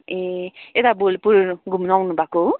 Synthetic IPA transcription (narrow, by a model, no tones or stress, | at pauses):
eet̪abolpuɾɡʱumnawnubʱako